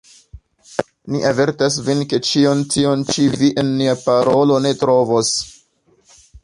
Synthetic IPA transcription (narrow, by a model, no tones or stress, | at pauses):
niʔave̞ɾtas̬vinke̞t͡ʃiontio̞nt͡ʃiviʔenmiapaɾo̞lo̞ne̞tɾo̞vo̞s